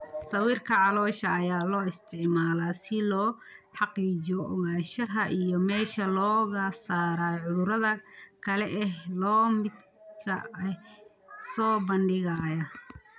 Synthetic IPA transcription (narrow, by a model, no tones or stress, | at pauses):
sɐwiːrkʰɐʕɑlɔːʃɐːjaːlɔːɪst̪ʰɪʕmaːlaːsɪlɔː | ħɑqiːd͡ʒɔʔɔ̰ɣaːʃɐɦɐʔijɔmɛːʃɐlɔːɣɐsaːɾaːʕʊðʊɾɐðɐkʰɐlɛʔɛɦlɔːmɪd̪ | kʰɐ̰ | sɔːbɐnɖɪɣaːjɐ